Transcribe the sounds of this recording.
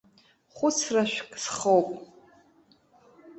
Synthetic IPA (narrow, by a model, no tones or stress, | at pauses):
χʷʊt͡sʰraʃʷᶣkʼsχowpʼ